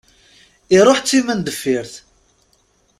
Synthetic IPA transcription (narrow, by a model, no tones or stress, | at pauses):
iɾˤoħt͡sːimænd̪əfːiɾθ